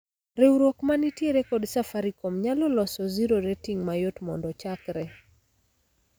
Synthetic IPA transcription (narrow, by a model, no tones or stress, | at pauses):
ɾeuɾwokmanitjeɾekɔdsafaɾikomɲalɔlɔsɔziɾoɾetiŋmajotmɔndɔt͡ʃakɾɛ